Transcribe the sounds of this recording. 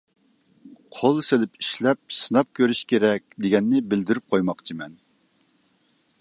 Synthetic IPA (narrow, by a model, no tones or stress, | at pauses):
qʰolˠselɪpʰiʃlɛp̚sɨnɑp̚kʲʰøɾyʃkʲʰeɾɛk̚ʲd̪eɡʲɛnːɪbɪld̪yɾyp̚qʰojmɑqt͡ʃʰimɛn